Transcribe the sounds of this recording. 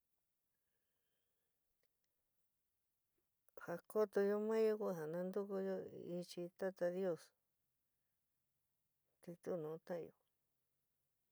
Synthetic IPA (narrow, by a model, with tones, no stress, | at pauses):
ha˧ko˦t̪o˧jo˧mã˦jo˦ku˦ɦa˨nã˧nd̪u˦ku˧jo˧i˧t͡ʃi˧t̪a˦t̪a˧ðjo˦˧˨s | t̪i˧t̪u˦˧nũ˨˧t̪ã̰˦˧jo̰˨˧